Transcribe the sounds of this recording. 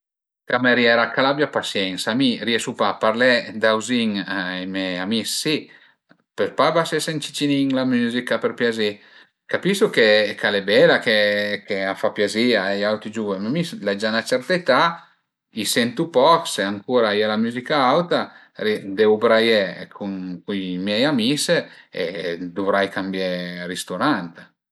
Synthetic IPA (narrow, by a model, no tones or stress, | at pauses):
kameɾjɛɾakalabjapasjɛŋsamiriesupapaɾlɛd̪awziŋamɛamisːi | peɾpabasɛsent͡ʃi̥t͡ʃ̪iniŋlamyːzikapeɾpjazi | kapisukekʰalebɛlakekeafapjaziaɛjawt̪id͡ʒuvemamislɛd͡ʒanat͡ʃɛɾt̪et̪a | isɛnt̪upɔkseaŋkuːɾaialamyzikaawt̪a | ɾid̪eubɾajɛkʰumkujmjɛjamiseḛd̪uvɾajkambjɛrist̪uɾant̪